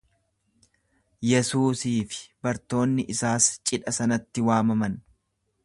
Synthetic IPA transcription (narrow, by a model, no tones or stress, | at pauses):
jɛsuːsiːfɪ̥bɐɾt̪o̞ːnːɪʔɪsaːst͡ʃʼɪᶑɐsɐnɐt̪ːɪwaːmɐmɐn